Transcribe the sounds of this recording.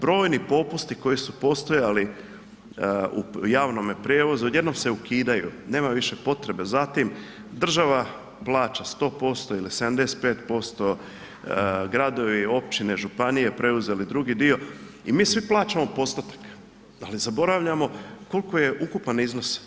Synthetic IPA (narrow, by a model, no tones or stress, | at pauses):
bɾo̞ːjnipo̞pust̪iko̞jisupo̞st̪o̞jali | ṵjaːʋno̞mjepɾjeːʋo̞zuje̞d̪no̞mse̞ukiːd̪ajṵne̞ːmaʋiʃe̞po̞t̪ɾe̞be̞zat̪im | d̪r̩ʒaʋa | plˠaːt͡ʃast̪o̞ːpo̞st̪o̞ilised̪amd̪ese̥t̪peːt̪po̞st̪o̞ | ɡɾad̪o̞ʋio̞p̚t͡ɕineʒupanije̞pɾe̞uze̞lid̪ɾuɡid̪io̞ | imiːsʋiplˠaːt͡ʃamo̞po̞st̪ot̪ḁk | alizabo̞ɾaʋʎamo̞ko̞likoje̞ʔukupanizno̞s